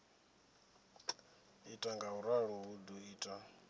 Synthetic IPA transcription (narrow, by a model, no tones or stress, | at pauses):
itʼaŋɡauɾaɺuɦuduiːtʼa